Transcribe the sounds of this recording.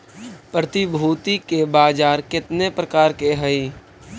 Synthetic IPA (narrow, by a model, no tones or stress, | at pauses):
pɾət̪ibʱuːt̪ikebaːd͡ʒaːɾkɪt̪nepɾəkaːɾkeɦəi